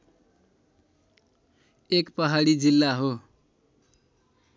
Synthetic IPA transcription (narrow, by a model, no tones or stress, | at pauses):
ekpʌɦaɽid͡zilːaɦo